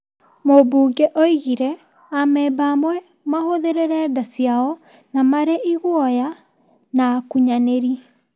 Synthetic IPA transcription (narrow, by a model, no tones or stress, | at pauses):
mobuːɡeʔoiɣiɾɛ | amɛːbamwɛ | mahoðeɾeɾɛdasiaɔ | namaɾeʔiɣwɔja | nakuɲaneɾi